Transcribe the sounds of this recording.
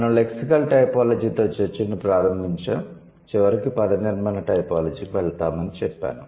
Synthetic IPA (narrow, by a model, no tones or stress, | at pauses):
ɐnɐle̞ksikɐlʈɐjpaːlɐd͡ʒiːt̪o̞ːt͡ʃeɾt͡ʃːinipɾaːɾɐmbʱiɲt͡ʃaːm | t͡ʃiʋɐɾikipɐd̪ɐniɾmaːnɐʈɐjpaːlɐd͡ʒiːkiʋɛɭt̪aːmɐnit͡ʃɛpːa̰ːnu